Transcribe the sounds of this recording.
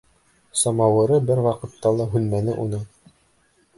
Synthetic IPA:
sɑmɑwɤ̆ɾɤbɘɾwɑqɤ̆t̪ːɑlˠɑɦʉnmænɘʔunɤ

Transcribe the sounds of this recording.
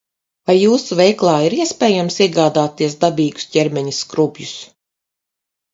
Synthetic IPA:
vajːuːsuvɛjklˠaːiɾiɛspʲɛːjamsiɛɡaːd̪aːt̪iɛs̬d̪abʲiːɡu̥sɟʲɛɾmʲɛɲiskɾubʲjus

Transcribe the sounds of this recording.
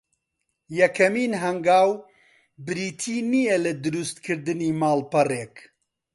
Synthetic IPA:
jɐkʰɐmiːnɦɐŋɡaːw | bɨɾiːt̪ʰiːnijɛlɐd̪ɨɾust̪kʰɨɾd̪ɨniːmaːlpɐreːk

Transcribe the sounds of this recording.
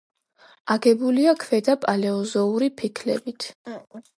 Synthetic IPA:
aɡɛbuliakʰvɛd̪apʼalɛɔzɔuɾipʰikʰlɛ̰bit̪ʰ

